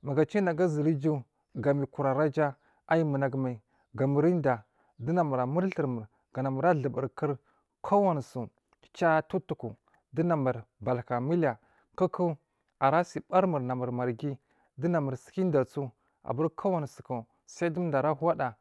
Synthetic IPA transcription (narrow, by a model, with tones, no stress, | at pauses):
ma˨ɡa˨t͡ʃi˦na˨ɡa˦zi˨ɾi˦d͡ʒu˦ | ɡa˨mi˨ku˨ɾa˨ɾa˦d͡ʒa˦ | a˦ji˦mə˨na˨ɡma˨i˨ | ɡa˨mə˨ɾi˦n˦da˨ | di˦na˨ma˨ɾa˨mə˦ɾɬə˨ɾmə˨ɾ | ɡ̥a˨na˨ma˨ɾa˦ɮə˨bə˨ɾkə˦ɾ | kʰa˦wa˦n˨su˨ | t͡ʃa˦tu˦tu˨ku˨ | di˦na˨ma˨ɾba˨lka˨mi˦la˨ | kə˦ku˦ | a˨ɾa˦si˨ba˦ɾmə˨ɾna˨mə˨ɾma˨ɾɡi˦ | di˦na˨ma˨ɾsi̥˨˦ki˦n˦da˨t͡su˦ | a̰˨ba˦ɾkʰa˦wa˦n˨su̥˨ku˨ | sa˦i˦du˦da˨ɾa˦ɦa˦da˨